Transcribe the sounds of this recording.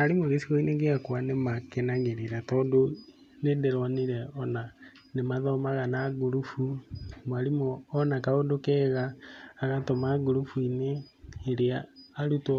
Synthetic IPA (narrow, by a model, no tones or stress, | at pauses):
aɾimoɣesiɣɔineŋɡeakwanemakenaɣeɾeɾatɔːdo | nedeɾɔniɾɛɔna | nemaðɔmaɣanaɡuɾufumwaɾimɔːnakaodokɛɣaːɣatɔmaːɡoɾufuineː | ɾeaːɾutɔ